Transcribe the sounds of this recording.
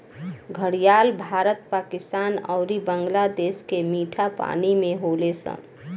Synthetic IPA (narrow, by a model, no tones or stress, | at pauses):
ɡʱəɽijaːlbʱaːɾət̪paːkɪst̪aːnɔːɾibə̃ŋɡlad̪eːskemiːʈʰapa̰ːnimẽɦoːlesə̰̃